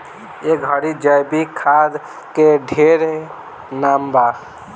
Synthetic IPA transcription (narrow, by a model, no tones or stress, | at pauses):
eɡɡʱəɽid͡ʒəjbikʰad̪ | keɖʱeɾ | namba